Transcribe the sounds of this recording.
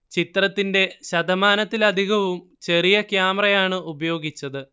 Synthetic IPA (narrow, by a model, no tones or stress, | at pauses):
t͡ɕit̪rɐt̪ːinde̞ɕɐd̪ɐmaːnɐt̪ːilɐd̪ʱiɣɐʋum | t͡ɕe̞rijɐkjaːmrɐjaːɳɨubɐjo̞ːɡit͡ɕːɐðɨ